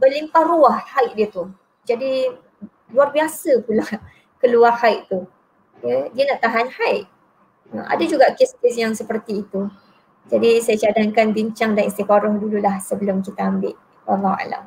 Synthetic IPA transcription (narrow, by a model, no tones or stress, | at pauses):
bəlimpahruahhajʔ̚diət̪u | d͡ʒadi | luarbiasəpulah | kəluarhajʔt̪u | jədiənaʔt̪aɦanhaɪʔ̚ | ə̰ma̰dad͡ʒuɡaʔkeskesjaŋsəpərt̪iːt̪u | d͡ʒadisajat͡ʃadaŋkanbiɲt͡ʃaŋdanist̪ifaɾɔhdululahsəbəlʊmkit̪aambɪʔ | wa̰lːahwa̰la̰m